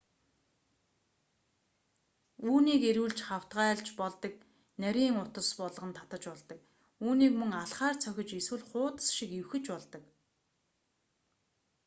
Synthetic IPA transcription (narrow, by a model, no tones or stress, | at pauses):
uːniːkeɾuːɮt͡ɕχaw̥t̪ɢaːɮt͡ɕpɔɮt̪ə̆k̚ | næɾʲiːŋʊt̪ə̆spɔɮ̆ʁə̆nt̪ʰḁt̪ə̆t͡ɕpɔɮt̪ə̆k | uːniːkmɵŋaɮχaːrt͡sʰœxʲɪ̆t͡ɕeswɘ̆ɮχʊːt̪ə̥̆sʃikewxɘ̆t͡ɕpɔɮt̪ə̆k